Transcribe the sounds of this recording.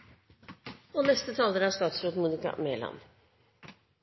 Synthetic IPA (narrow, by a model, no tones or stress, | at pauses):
oːnɛst̪ət̪ʰɑːləɾɑːʂt̪ɑːt̪sɾoːt̪muːnɪkɑ̰meːlɑ̰n